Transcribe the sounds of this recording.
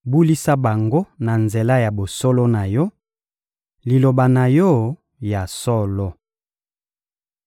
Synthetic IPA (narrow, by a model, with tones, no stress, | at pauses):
bu˦li˦sa˦ba˨ŋɡo˦na˨nze˨la˦ja˨bo˨sɔ˦lo˦na˨jɔ˦ | li˨lo˨ba˨na˨jɔ˦ | ja˨sɔ˦lɔ˦